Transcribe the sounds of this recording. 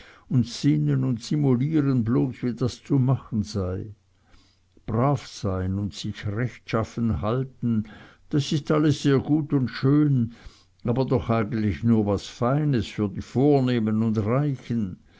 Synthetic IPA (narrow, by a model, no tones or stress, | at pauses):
ʊntsɪnənʊntsimuliːʁənbloːsviːdast͡sumaχən̩zaɪ | b̥ʁaːfsaɪnʊntsɪçʁɛçtʃafən̩ɦaltn̩ | d̥asɪstaləsːeːɐɡuːtʊntʃøːn | aːbɐdɔχaɪɡən̩tlɪçnuːɐvasfaɪnəsfyːɐdiːfoːɐneːmənʊndʁaɪçən